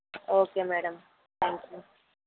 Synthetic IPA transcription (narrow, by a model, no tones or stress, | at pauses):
oːkeːmæːɽɐm | t̪ʰæːŋkju